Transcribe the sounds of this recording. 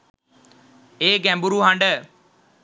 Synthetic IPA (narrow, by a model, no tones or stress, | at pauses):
eːɡɛ̃ːmbuɾuːɦãɳɖə